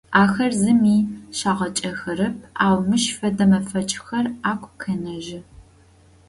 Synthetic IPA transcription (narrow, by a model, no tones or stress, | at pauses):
aːxɐrzɨmiːɕaːʁɐt͡ʃʼɐxɐɾɨp̚ʰaːwmɨʃfɐdɐmɐfɐt͡ʃʼxɐraːkʷʰʼkʰɐnɐʒɪ